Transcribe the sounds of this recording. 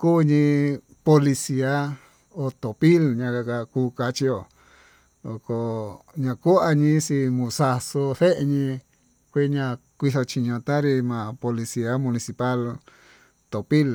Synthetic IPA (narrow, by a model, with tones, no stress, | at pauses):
kuː˦ɲĩ˧ | po˧li˧si˧a˧˦ | o˧t̪o˨pi˦lɲã˧ka˧ka˧kuː˧˦ka˧t͡ʃi˧jo˧ | lo˨ko˧ɲã˧ku˦a˧ɲĩ˧˦si˧mũ˧˨sa˧so˧θe˦ʔe˧ɲĩ˧ | kʷi˦ɲã˧kʷi˧θo˧t͡ʃi˧ɲõ˧t̪ã˦ɾi˧mã˨po˧li˧si˧a˧mũ˧nĩ˧si˧pa˦l | t̪o˨pi˦l